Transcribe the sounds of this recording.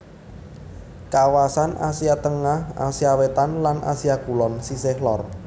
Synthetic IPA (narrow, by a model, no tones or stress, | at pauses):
kawasanʔa̰siat̪əŋaha̰siawet̪anlanʔa̰siaɡ̥ulɔnsisɪhlɔr